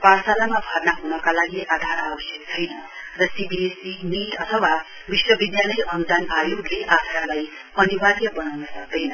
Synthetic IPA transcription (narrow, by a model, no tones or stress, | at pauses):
parsalamabʱʌrnaɦunʌkalaɡiʔad̪ʱaɾabʌsjʌkt͡sʰʌj | rʌsibiesiniʈʌt̪ʰʌwa | biswʌbid̪jalʌjʔʌnd̪anajoɡleʔad̪ʱaɾlaj | ʌniwaɡjʌbʌnawnʌsʌk̚d̪ʌjnʌ